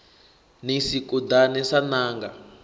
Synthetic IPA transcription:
nisikudanɛsanaːŋɡa

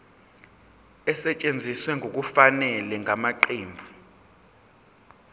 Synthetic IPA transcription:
ɛsɛt͡ʃʼend͡zʱiswɛŋʱok̬ufanɛlɛŋʱamaǃeːmbʱu

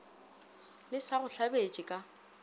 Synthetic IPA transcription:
lɪsaɣʊɬabet͡ʃʼɪkʼa

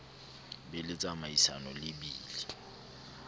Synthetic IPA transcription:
bɛlɪt͡sʼamaisanɔlɪbiːli

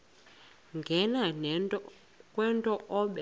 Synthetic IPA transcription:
ŋɡʱɛnan | kʼwɛntʼɔʔɔɓɛ

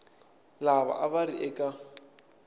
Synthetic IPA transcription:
laβa̰ʔaβaɾiʔɛkʼa

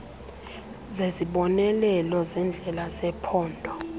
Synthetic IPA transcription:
zeziɓɔnɛlɛlɔzɛnd͡ɮʱɛlasɛpʰɔːndʱɔ

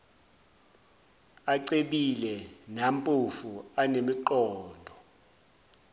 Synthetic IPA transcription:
aǀeɓilɛnampʼufuanemiǃɔːndʱɔ

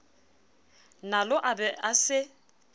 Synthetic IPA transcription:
nalʊʔabɛasɪ

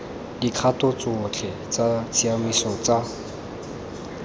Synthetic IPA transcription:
d̥ikʰatʊt͡sʊt͡ɬʰɛt͡sat͡sʰiamisɔt͡sa

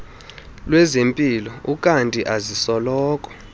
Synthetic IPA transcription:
lwɛzempʼilɔukʼantʼiʔazisɔlɔːkʼɔ̥

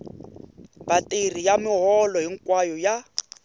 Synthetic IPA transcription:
batʼer̤ijamɪɦɔlɔɦiŋkwajɔja

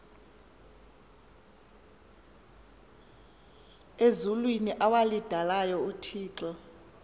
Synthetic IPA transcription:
ezulwiniʔawalid̥ʱalajɔutʰiːǁɔ

